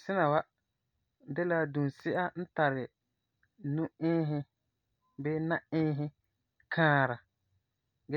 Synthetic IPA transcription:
sɪ˦na˨wa˦ | dɛ˦la˦du˨nsɪ˦ʔa˦n̩˦ta˨ɾɪ˨ | nʊ̃˦ɪː˦ɦɪ˦ | bɛ˦na˦ɪː˦ɦɪ˦ | kʰãː˦ɾa˨ | ɡɛ˦

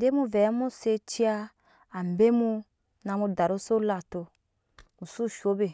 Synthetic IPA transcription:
de˦mu˦vɛ˨˦mu˦se˧t͡ʃi˦a˦ | a˨m˨be˦mu˧ | na˧mu˧da˨ɾo˦so˦la˨to˧ | mu˨su˦˨ʃo˦be˨

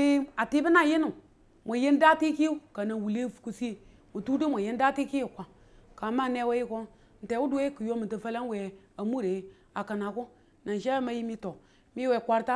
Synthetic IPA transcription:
i˦a˨ti˦bi˦na˨ji˦nu˨ | mʷo˨je˦n˦da˦ti˦ki˦u˦ka˨na˨wu˨le˦fku˨si˦˨ | wu˨tu˦ti˦mʷa˨je˦n˦da˦ti˦ki˦u˨kʷa˨ | ka˨ma˦˨ne˦we˦ji˦ko˦ | n̩˨te˨wu˦du˦we˦ku˨jo˦mi˨ta˨fa˦la˦n˦we˨ | a˨mu˦ɾe˨˦ | a˨ka˨na˨ku˦ | na˨n˨ʃe˦ma˦ji˦mi˦to˨ | mi˦we˨kʷa˦ɾta˦

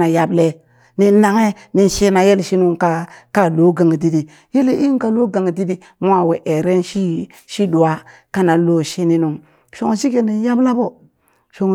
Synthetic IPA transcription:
na˨ja˦ble˦ | ni˨˦na˨ŋe˦ | ni˨nʃi˦na˨je˦lʃi˦nu˦ŋka˦ka˦lo˦ɡa˨ŋ˨di˦di˨ | je˦le˨ʔi˦ŋ˦ka˨lo˦ɡa˨ŋ˨di˦di˦ | mʷ˦a˦˨we˨ʔe˨ɾe˦nʃi˦ | ʃi˦du˨wa˦ | ka˦na˨lo˦ʃi˦ni˦nu˨ŋ | ʃo˨ŋ˨ʃi˦ke˨ni˨n˦ja˦bla˦bo˨ | ʃo˨ŋ˨

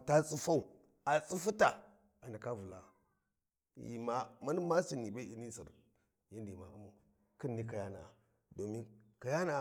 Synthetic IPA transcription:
ta˦t͡sʼu˦fa˦u˨ | a˨t͡sʼu˦fu˦ta˨ | a˨na˨ka˦vu˨la˨ | jḭ˨ma˦ma˦n˦ma˦si˨ni˨ba˦i˨ni˦sḭ˨ɾ | ja˦ndma̰˨u˦mu˨ | ki˦nː˨i˦ka˨ja˦na̰˨ | do˨mi˦nka˨ja˦na˨

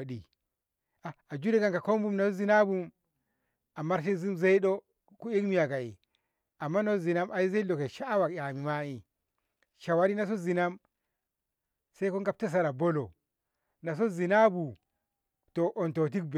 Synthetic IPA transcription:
ɗi˨ | a˨a˨d͡ʒu˦ɾi˦ka˨ŋka˨ko˦mbu˦mna˨so˦zi˨˦na˦bu˦m | a˨ma˦ɾʃ̬i˦zi˦mze˦i˦ɗo˦ | ku˦i˦kmi˦ja˨ka˨ḭ˨ | a˨mːa˦no˦zi˨na˦ma˨ji˦ze˦i˦lo˨ke˨ʃaː˦wa˨kja˨mi˨ma˦i˨ | ʃa˨wa˦ɾi˦na˦s̬o˦zi˨na˦m | se˦ko˦ŋɡa˨p̚te˦s̬a˨ɾa˨bo˦lo̰˨ | na˨s̬o˦zi˨na˦bu˨ | to˨ʔo˨nto˨t̬i˦k̚be˨

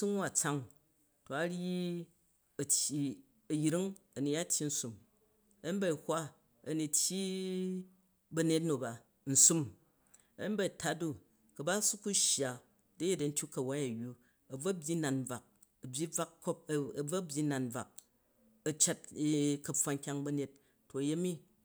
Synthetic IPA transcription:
su˦ŋ˦wa˨t͡sa˦ŋ | to˨a˦ɽji˦ | ɐ˨tʲji˨ | ɐ˨jɾi˦ŋɐ˨ni˨ja˦tʲji˦n̩˦su˨m | ɐ˦ba˦i˨hʷa˦ | ɐ˨ni˧tʲji˦ | bɐ˧ne˦t̬̚no˨ba˨ | n̩˨su˦m | ɐ̰˦ba˨i˨ta˦du˦ | kɐ˨ba˦su˦ku˦ʃja˨ | dɐ˦je˦dɐ˨n̩˦tʲju˦kɐ˨wa˦ja˨ju˦ | ɐ˨b͡vɐ˦bʲji˦na˨nb͡va˨k̚ | ɐ˨bʲi˦b͡va˦kːo˦p̚ɐ˨b͡vɐ˦bʲji˦na˨nb͡va̰˨k̚ | ɐ˨t͡ʃa˦t̚kɐ˨p͡fwa˨˧ŋ˦kʲa˧ŋbɐ˧ne˦tː | o˨ɐ˨je˦mi˦

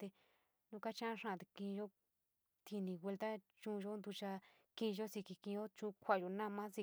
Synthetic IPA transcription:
t̪e˧ | nũ˧˦ka˦t͡ʃã˦ʂã˧˨t̪e˧kĩ˧ʒo˦ | t̪ʰi˧nĩ˧wʷe˧lt̪a˦t͡ʃũ˦˧ʒo˦nd̪u˧t͡ʃa˧ | kĩ˦˧ʒo˦si˧ki˧kĩ˧˦o˦t͡ʃũ˧˦kʷa˧˨jo˧nã˦˧mã˦si˧

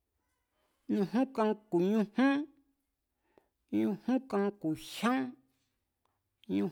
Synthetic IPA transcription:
nũ˧ɦũ˦kã˧ku˨ɲũ˧hũ˦ | ɲũ˧hũ˦kã˧ku˨ʃã˦ | ɲũ˧

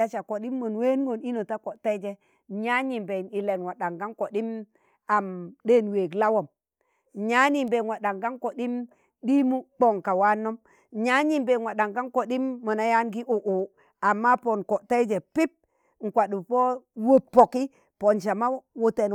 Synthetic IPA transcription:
a˨t͡ʃa˨ko˨ɗi˦mːo˨nwe˦n˦ɡo˨ni˦no˨ta˦ko˨te˦i˦d͡ʒe˨ | ɲa˦ɲi˨mbe˨ni˨le˨nwa˨ɗa˨ŋɡa˦nko˨ɗi˦m | a˨mde˦nwe˨ɡla˦wo˨m | ɲa˦ni˨mbe˨nwa˨ɗa˨ŋɡa˦nko˨ɗi˦m | ɗi˦mu˦k͡po˨ŋka˨wa˦nːo˦m | ɲa˦ɲi˨mbe˨nwa˨ɗa˨ŋɡa˦nko˨ɗi˦mːo˨na˦ja˦nɡi˦ʔo˨ʔo˨ | a˨mːa˦po˨nko˨ʔta˦d͡ʒe˨pi˦p̚ | ŋ̩˨kʷa˨ɗu˨po˦wo˨pːo˨ki˦ | po˨nʃa˨ma˦wo˨te˨n

